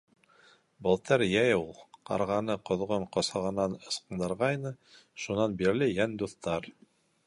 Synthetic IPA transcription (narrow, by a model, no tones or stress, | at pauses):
bɤ̆lˠt̪ʰɑɾjæjulˠqɑ̰ɾʁɑnɤqŏð̆ʁoɴqŏsɑʁɤ̆nːɑnɤ̆sqɤ̆nd̪ɤ̆ɾʁɑjnɤ | ʃunɑnbiɾlɘjænd̪uθt̪ɑɾ